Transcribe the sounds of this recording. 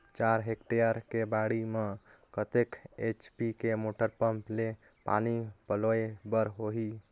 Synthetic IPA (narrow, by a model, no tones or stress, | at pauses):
t͡ʃaɾɦekʈejəɾkebaɽime | kət̪eket͡ʃpikemoʈəɾpəmple | pa̰nipəloebəɾɦoɦi